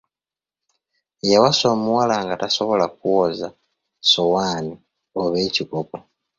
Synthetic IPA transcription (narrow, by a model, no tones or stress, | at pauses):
jawaso̞muwalaŋɡataso̞βo̞lak̚uwoza | sowaːni | oβeːcikopo